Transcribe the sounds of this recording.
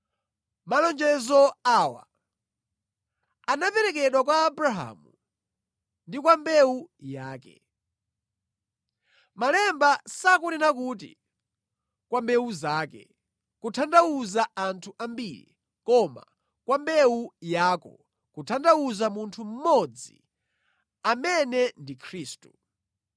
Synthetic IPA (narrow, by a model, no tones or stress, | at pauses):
malɔnd͡ʒɛzɔaːwa̰ | anapɛɾɛkɛɗwak̬waːbɾaɦa̰ːmu | ndik̬wambɛujaːkɛ̰ | malɛmbasakuninak̬utḭ | kwambɛuzaːkɛ̰ | kutʰandawuzaantʰuʔambiɾḭ | kɔma̰ | kwambɛujaːkɔ̰ | kutʰandauzamuntʰum̩mɔd͡zi | amɛnɛndikʰɾiːstu̥